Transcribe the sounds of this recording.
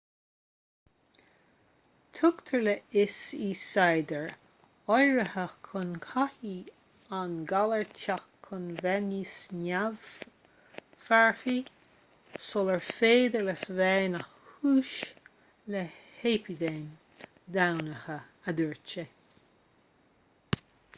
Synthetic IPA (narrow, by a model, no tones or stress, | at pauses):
t̪ʰʊkt̪ʰəɹlɛɪsiːsajd̪əɹ | ɔjɹəhəxkʰʊnkʰahi | anɡaləɹtʰaxkʰːʊnvɛnisnav̥ | faɹfi | sɔləɹfeːd̪ələsvɛːnaxhuːʃ | lɛheːpʰid̪eːn | d̪awnəhəəd̪uɹt͡ʃə